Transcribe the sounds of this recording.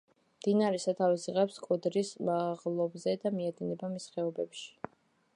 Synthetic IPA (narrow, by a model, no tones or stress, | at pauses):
md̪̥inaɾɛsat̪ʰavisiʁɛpskʼɔd̪ɾismaʁlˠɔbzɛd̪amiad̪inɛbamisχɛɔbɛpʃi̥